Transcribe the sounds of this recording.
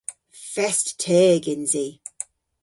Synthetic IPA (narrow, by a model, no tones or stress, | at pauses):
fɛsttʰɛːɡɪnzi